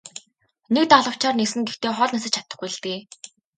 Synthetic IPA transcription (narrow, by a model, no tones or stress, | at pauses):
nek̚t̪aɮə̆w̥t͡ɕʰaːrnesɘ̆ŋɡext̪eːχɔɮnasə̆t͡ɕʰḁt̪ə̆χɡujɮt̪eː